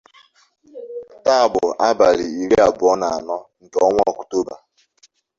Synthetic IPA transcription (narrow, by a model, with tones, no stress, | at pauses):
ta˦˨bʊ˨ʔa˦ba˨ɾi˨i˨ɾe˦a˨bʊ˨ɔ˦na˨a˨nɔ˦ŋ̩˨kɔ˦ŋʷ˦ɔ˨ku̥˨to˦ba˨